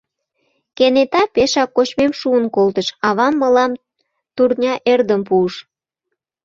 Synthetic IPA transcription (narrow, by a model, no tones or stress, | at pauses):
kenet̪ɑpeʃɑkːot͡ɕmemʃuənkolt̪əʃɑβɑmːəlɑm | t̪urnʲɑʔerd̪əmpuəʃ